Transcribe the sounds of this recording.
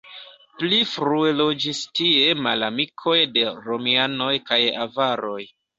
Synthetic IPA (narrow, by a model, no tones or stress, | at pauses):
plifɾuelo̞d͡ʒistie̞malamikʰo̞jde̞ɾo̞miano̞jkajavaɾo̞j